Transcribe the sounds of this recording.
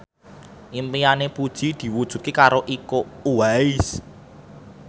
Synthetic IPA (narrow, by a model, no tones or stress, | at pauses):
ʔimpijanepud̥ʒ̥i̤d̪̥i̤wud̥ʒ̥ṳt̪̚kikaɾoʔikouwaɪs